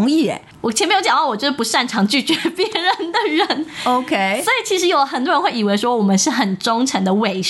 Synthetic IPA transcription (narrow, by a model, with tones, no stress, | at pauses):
ŋi˥˩ɛ̰˨˦ | wt͡ɕ̩ʰ˨˧˥me˧˥jo˧˥jɑ˨˩ɑ˥˩wɔ˨˩t͡ɕɥɛ˧˥ə˧˩pu˧˥ʂa˥˩nʈ͡ʂʰɑ˧˥ŋt͡ɕy˥˩t͡ɕɥɛ˧˦pjɛ˧˦˥ɻə˨˦nd̪ə˨ɻə˨˧˦no˧ʊkʰe˥ɪswɔ˧˥i˨˩t͡ɕʰi˧˥ʂɻ̩˧˥jo˨˧ʊlə˧xə˨˩nt̪wɻə˧˥nxwe˥˩i˨˩we˧˥ɪʂwɔ˥wɔ˨˩mə˦nʂɻ̩˥˩xə˨˩nʈ͡ʂʊ˥ŋʈ͡ʂʰə˧˥ŋd̪ə˧we˧˩ɪ